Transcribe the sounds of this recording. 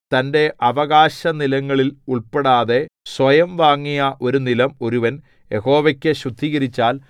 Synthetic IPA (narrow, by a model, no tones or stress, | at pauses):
t̪ɐnde̞ʔɐʋɐɣaːɕɐnilɐŋːɐɭiluɭpeɽaːðe̞sʋɐjɐmʋaːŋːijɐʔo̞ɾunilɐmo̞ɾuʋɐn | je̞ho̞ːʋɐkʲːeɕrud̪ʱːiɣɐɾit͡ɕːaːl